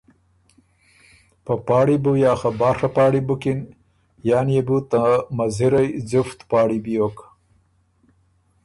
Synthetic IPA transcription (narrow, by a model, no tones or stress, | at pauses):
papaːɽibujaːxabaːxapaːɽibukin | jaːnjebut̪amɐziɾajd͡zuft̪paːɽibijoːk